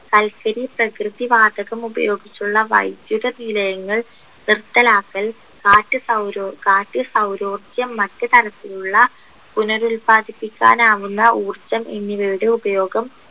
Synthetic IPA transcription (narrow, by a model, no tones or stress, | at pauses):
kɐlkɐɾiprɐkrɨðiʋaːd̪ɐɣɐmubɐ̰jo̞ːɡit͡ɕːuɭːɐʋɐ̰jd̪juðɐnilɐjɐŋːɐɭ | nirt̪ːɐlaːkːɐl | kaːtːɨsɐwɾokaːtːɨsɐwɾo̞ːrɡjɐmːɐtːɨt̪ɐɾɐt̪ːiluɭːɐ | punɐɾulpaːd̪ʱipːikʲːa̰ːnaːʋunːɐʔuːrt͡ɕːɐmʔenːiʋejɽeubɐjo̞ːɡɐm